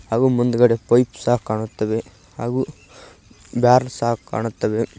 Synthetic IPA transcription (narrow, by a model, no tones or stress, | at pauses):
haːɡuːmund̪uɡɐɽepɐjpsaːkːaːɳut̪ːɐʋe | haːɡu | bjaːɾlsaːkka̰ːɳut̪ːɐʋe